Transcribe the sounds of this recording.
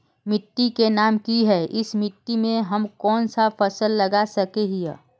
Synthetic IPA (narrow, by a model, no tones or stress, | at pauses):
mɪʈːikenaːmkiɦɛʔɪsmɪʈːimẽɦɐmkɔːnsapʰəsəlːɐɡasəkeɦḭː